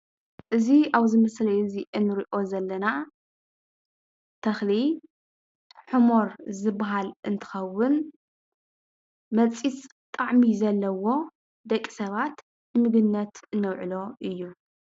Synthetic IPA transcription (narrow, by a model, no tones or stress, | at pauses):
ʔɨziaβzɨmɐslɐjɨziʔɨnːɨɾiʔo̞zɐlːɐna | t̪ʰɐxli | ħɨmo̞ɾzɨbaɦalʔɨnt̪ʰɨ̥xɐwːʊn | mɐt͡sʼit͡sʼ | t̪ʼaʕmizɐlːɐwo̞ | d̪ɐkʼːi̥sɐβat̪ | nɨmɨɡɨnːɐt̪ɨnːɐwʕɨ̰lo̞ʔɨjːu